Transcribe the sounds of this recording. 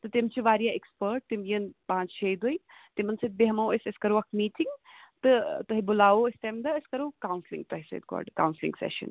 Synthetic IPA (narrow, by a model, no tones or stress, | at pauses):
t̪ɐt̪ɪmt͡ɕiʋaːɾijaekspəɾʈ̚t̪ɪmiənpãːt͡ʃt͡ʃʰeːd̪oit̪ɪmənsɐt̪̚beɦɐmɐəsɐskɐɾoɐk̚ʰmiːʈʰɪŋɡt̪ɐt̪ɐɦibʊlaːoɪst̪ɐmd̪ɐɐskɐɾokaːwnslɪ̰ŋɡ̚t̪ɐɦisḛt̪̚kɔ̰ːɖka̰ːwnslɪ̰ŋɡsɛ̰ːʃə̰̃n